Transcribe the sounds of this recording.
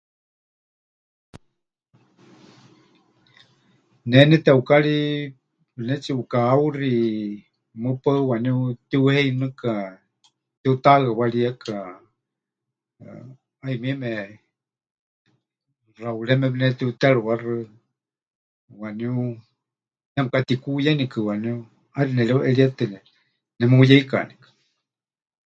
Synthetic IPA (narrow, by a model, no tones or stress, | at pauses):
nɛnɛt̪ɛukaɺi | βɨnɛt͡siukaːuri | mɨpawaniut̪iuhɛinɨka | t̪iut̪aawaɺiakʰʼa | aimiɛmɛ | rauɺɛmɛβɨnɛt̪iut̪ɛɺɨwarɨ | waniu | namɨkat̪ikujanikɨwaniu | aɾinɛɺiuʔɛɺiat̪ɛnɛ | nɛmɨujɛika̰nikḁ